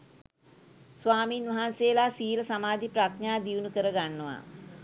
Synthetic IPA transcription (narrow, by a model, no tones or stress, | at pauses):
sʋaːmiːnʋaɦanseːlaːsiːləsamaːd̪ʱiprakɲaːd̪iunukəɾəɡanːəʋa̰